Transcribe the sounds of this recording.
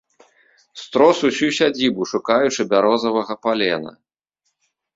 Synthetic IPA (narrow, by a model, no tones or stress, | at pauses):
st̪ɾɔsusʲusʲad͡zʲibuʂukajut͡ʂɨbʲaɾɔzɐvɐɣɐpalʲɛnɐ̰